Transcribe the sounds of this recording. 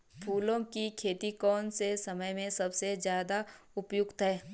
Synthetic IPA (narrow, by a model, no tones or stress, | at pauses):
pʰuːlõkikʰeːt̪ikɔːnsesɐməjmẽsɐbsezjaːd̪aʊpjʊɡt̪ɦɛː